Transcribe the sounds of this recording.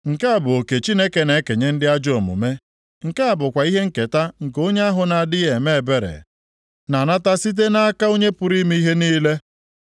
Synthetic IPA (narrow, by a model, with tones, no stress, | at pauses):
ŋ̩˨ka˦a˦˨bʊ˨o˨ke˨t͡ʃi˦ne˦ke˨ne˨˦ke˨ɲe˦n̩˦dɪ˦a˦d͡ʒo˨mʊ̰˨me˦ | ŋ̩˨ka˦a˨bʊ˨kʷa˨i˦ɦe˦ŋ̩˦ke˨ta˦ŋ̩˨ko˦ɲe˦a˦ɦʊ˨na˨a˨dɪ˦je˨me˦e˨be˦ɾḛ˨ | na˨na˦ta˦si˦t̬e˦na˦a˦ka˦o˦ɲe˦pʊ˨ɾi˦mi˦i˦ɦe˦niː˦le˦